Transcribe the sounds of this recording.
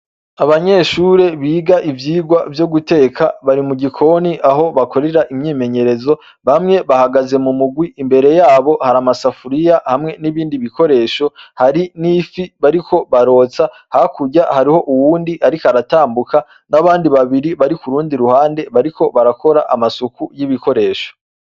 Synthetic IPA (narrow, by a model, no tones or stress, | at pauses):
aβaɲe̞ʃuɾe̞βiːɡaʔivjiːɡwavjoɡute̞ːkʰaβaɾimuɟikʰo̞niʔaɦo̞βako̞ɾe̞ɾaʔimɲiːme̞ɲe̞ɾe̞zo̞ | βamŋe̞βahaɡaze̞mumuɡwiimbe̞ɾe̞jaːβo̞haɾamasafuɾijahamŋe̞niβiːndiβiko̞ɾe̞ːʃo̞haɾinifiβaɾikʰo̞βaɾo̞ːt͡sa | hakuɟahaɾiho̞ʔuwuːndiaɾikaɾataːmbuka | naβaːndiβaβiɾiβaɾikuɾuːndiɾuhaːnde̞βaɾiko̞βaɾakʰo̞ɾaʔamasukujiβiko̞ɾe̞ːʃo